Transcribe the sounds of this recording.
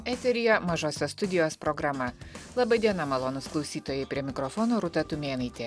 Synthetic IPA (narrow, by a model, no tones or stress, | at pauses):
ɛːt̪ʲɛɾʲɪjoːmɐʒoːsʲɛst̪ʊd̪ʲɪjoːspɾɔɡɾɐmɐlˠɐbɐd̪ʲiɛnɐmɐlˠɔːnʊsklˠɒʊsʲiːt̪oːjɛɪpʲɾʲiɛmʲɪkɾɔfɔːnoːɾʊt̪ɐt̪ʊmʲeːnɐɪt̪ʲeː